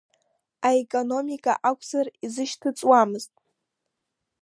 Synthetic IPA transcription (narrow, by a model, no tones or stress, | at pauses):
aekʼono̞mikʼa̰ʔakʷʰsarizɨʃtʰɨt͡sʼwamɨztʼ